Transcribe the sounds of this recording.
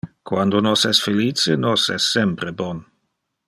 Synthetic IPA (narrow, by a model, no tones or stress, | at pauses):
kwand̪onosɛsfeliːt͡senosɛsːɛmpɾebɔn